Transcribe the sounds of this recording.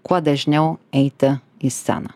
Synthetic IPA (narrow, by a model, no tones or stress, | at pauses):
kwad̪ɛʒnʲɛwɛjt̪ə | isːa̰nə